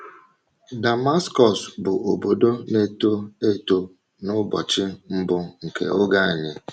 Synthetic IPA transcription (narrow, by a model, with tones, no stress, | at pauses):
da˨ma˦skɔ˨sbʊ˨ʔo˨bo˨do˦ne˦to˦e˦to˦ | nʊ˦bɔ̰˨t͡ʃɪ˦m̩˦bʊ˦ŋ̩˨kḛ˨o˦ɡa˦a˨ɲɪ˦